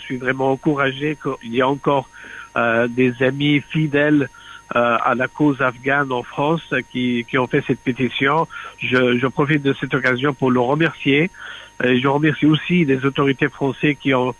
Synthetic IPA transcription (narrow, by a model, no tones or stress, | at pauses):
sɥivʁɛmɑ̃ɑ̃kuʁaʒekəiljaɑ̃kɔʁ | d̪ezamifid̪ɛl | a̰lakozafɡanɑ̃fχɑ̃skʲikʲiɔ̃fɛsɛt̪̚pet̪isjɔ̃ʒəʒəpχɔfit̪̚d̪əsɛt̪ɔkazjɔ̃puʁləʁəmɛʁsje | eʒəʁəmɛʁsiosilezot̪ɔʁit̪efχɑ̃sɛkʲiɔ̃